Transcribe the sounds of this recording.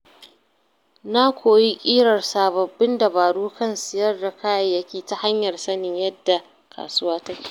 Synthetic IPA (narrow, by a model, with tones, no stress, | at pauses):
na˦kʷoː˨ji˦kʲʼiː˦ɽɐ˨rsaː˨bɐ˨bːɪ˦nda˨baː˨ɽuː˦kɐ˦nsɪ˨jɐ˦rda˨kʰaː˦jɐ˨jɐ˦kʲiː˨ta˦ha˦ɲjɐ˨rsɐ˦nɪ˨ɲjɐ˦dːa˨ | kʰa̰ː˨sʊ˦waː˦tɐ˦kʲi̥ː˨